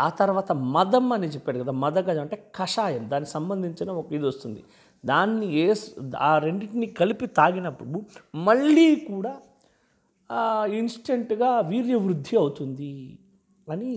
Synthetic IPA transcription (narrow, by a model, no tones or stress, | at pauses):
aːt̪ɐɾʋaːt̪ɐmɐd̪ɐmɐnit͡ʃepːaːɽuɡɐd̪aːmɐd̪ɐɡɐd̪ɐmɐɳʈeːkɐʂaːjɐmd̪aːnːisɐmbɐnd̪ʱiɲt͡ʃinɐokɐid̪iost̪und̪ḭ | d̪aːnːieːsaːɾeɳɖiʈnikɐlipit̪aːɡinɐpːuɽumɐɭːiːkuːɽaː | insʈeɳʈɡaːʋiːɾjɐʋɾud̪ʱːiɐwut̪und̪i | ɐni